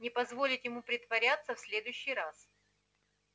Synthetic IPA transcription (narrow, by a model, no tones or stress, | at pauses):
nʲɪpɐzvolʲɪt̪ʲjɪmupɾʲɪt̪vɐɾʲat̪səfsʲlʲe̞d̪ʊjʊɕːɪjɾas